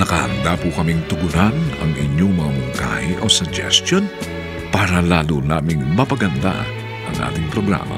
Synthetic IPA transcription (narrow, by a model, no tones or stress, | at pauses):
nɐkɐhɐ̰nd̪apʊkɐmiŋt̪ʊɡʊnanɐ̰ŋʔɪɲoŋmɐŋamʊŋka̰hɪʔosʊd͡ʒɛ̰st̪jon | paːɾɐlaːlunaːmɪŋmɐpɐɡɐnd̪a̰ | ʔɐŋʔa̰ːt̪ɪŋpɾoɡɾa̰ːmɐ̰